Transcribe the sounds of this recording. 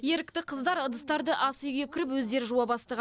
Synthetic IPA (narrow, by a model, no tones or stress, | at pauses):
je̞ɾɪk̚t̪ɪqʰəzd̪ɑɾəd̪əst̪ɑɾd̪əʔɑsujɡʲekʲʰɪɾɪpwɵzd̪e̞ɾʒuɑbɑst̪əʁ